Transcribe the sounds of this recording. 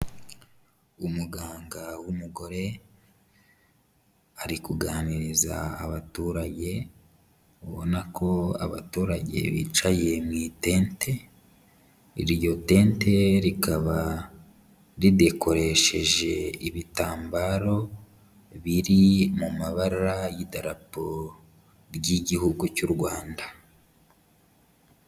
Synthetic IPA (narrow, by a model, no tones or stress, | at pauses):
umuɡaːŋɡawumuɡo̞ɾe̞ | aɾikuɡaːniɾiza̰ːβatuːɾaɟe̞ | βonakʰo̞a̰βa̰tuːɾaɟe̞̰βḭːt͡ʃaje̞mŋiːte̞ːnte̞ | ḭɾjo̞te̞ːnte̞ɾikaβa | ɾide̞kʰo̞ɾe̞ʃe̞ʒe̞iβitaːmbaɾo̞ | βiɾimumaβaɾaɾajidaɾapo | ɾɟiɟihuɡucuɾɡwaːnda